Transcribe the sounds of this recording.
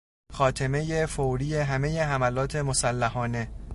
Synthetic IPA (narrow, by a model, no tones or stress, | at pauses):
xɒːt̪ʰeme̞jefowɾiːjeɦæme̞je̞ɦæmælɒːt̪ʰe̞mo̞sælːæhɒːne̞